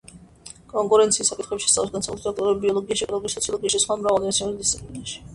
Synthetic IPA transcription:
kʼɔŋkʼuɾɛnt̪sʰiːsːakʼit̪χɛpʃiɛ̥st̪alˠɛsɡansʰakʼut̪ʰt̪ɔk̚t̪ʼɔɾbibiɔlˠɔɡiaʃɛkʼɔlˠɔɡisɔt̪sʰiɔlˠɔɡiaʃɛsχwamɾavalˠd̪imat̪siɔnid̪ist̪sipʼlinaʃi̥

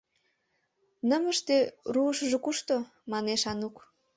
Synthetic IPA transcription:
nəməʃt̪eruəʃəʒokuʃt̪o | mɑneʃɑnuk

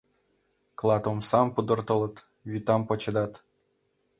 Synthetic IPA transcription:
klˠɑt̪omsɑmpud̪ɤ̆rt̪ɤ̆lˠɤ̆t̪ | vyt̪ɑmpɤ̆t͡ɕɤ̆d̪ɑt̪

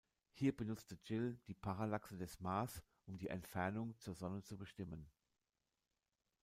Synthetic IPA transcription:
hiːɐbənʊt͡stəd͡ʒɪld̥iːpʰaʁalaksədɛsmaːs | ʔʊmdiːʔɛ̰ntfɛɐnʊŋt͡suːɐzɔnət͡subəʃtɪmən

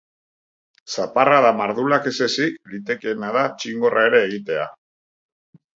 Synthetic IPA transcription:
saparaðamaɾðulake̞se̞siklit̪e̞keenaðat͡ʃiŋɡo̞rʔae̞ɾe̞ːɣ̞it̪e̞a̰

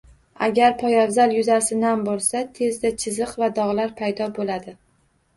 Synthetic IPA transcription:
aɡʲaɾpʰɒjavzaljʊzasɪnambolˠsat̪ʰe̞zd̪at͡ʃʰɪzɨqvad̪ɒʁlaɾpʰajd̪ɒbolad̪ɪ

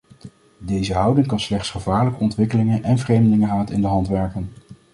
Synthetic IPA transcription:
dejzəɦʌwdɪŋkɑnslɛχtsχəvaːɹləkəɔntʋɪkəlɪŋənʔɛnvrejmdəlɪŋəɦaːtɪndəɦɑntʋɛɹkən

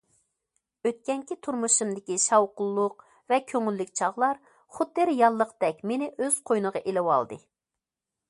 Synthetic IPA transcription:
øt̪̚kʲɛŋkʲit̪ʰuɾmuʃumd̪ɪkʲiʃɑwqʊlˠːʊq | vɛkʲʰøŋylːykʲt͡ʃʰɑʁlˠɑɾ | χʊd̪̚ːɨɾjɑlˠːəqd̪̥ɛkʲmenɪʔøz̥qʰojnəʁɑʔelɪwɑ̰lˠd̪ɨ

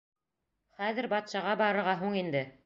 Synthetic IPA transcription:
χæðɘɾbɑt̪ʃɑʁɑbɑɾɤ̆ɾʁɑɦuɴind̪ɘ

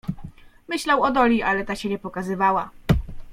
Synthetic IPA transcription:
mɘɕlawɔd̪ɔlʲiʔalɛt̪aɕɛɲɛpɔkazɘvawa

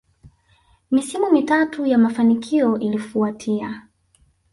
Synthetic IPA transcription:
misimumitatujamafanikʰiɔʔilifuatʰia

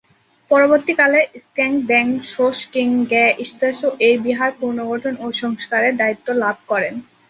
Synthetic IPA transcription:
pɔɾoboɾt̪ikaleskɛŋkd̪ɛŋʃoʃkiŋɡɛʔiʃt̪eʃoʔejbiɦaɾpuɾnoɡoʈʰonoʃɔŋskaɾeɾd̪ait̪ːolab̚ʱkɔɾen

